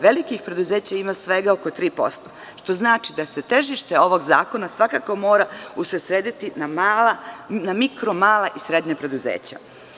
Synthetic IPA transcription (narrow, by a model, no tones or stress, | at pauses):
ʋelikixpɾe̞d̪uzeːt͡ɕaimasʋe̞ɡaoko̞t̪ɾiːpo̞̰st̪o̞̥ | ʃt̪o̞znaːt͡ʃid̪ase̞t̪e̞ʒiʃt̪e̞o̞ʋo̞ɡza̰ːko̞nasʋakako̞mo̞ːɾausɾesɾeːd̪it̪inamalanamikɾo̞maːlˠaʔisɾe̞d̪ɲepɾe̞d̪uzḛːt͡ɕa̰